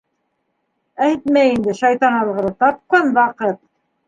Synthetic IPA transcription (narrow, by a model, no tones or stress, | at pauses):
æt̪mæjind̪ɘʃɑjt̪ɑnɑlˠʁɤ̆ɾɤt̪ɑp̚qɑnwɑqɤt̪̚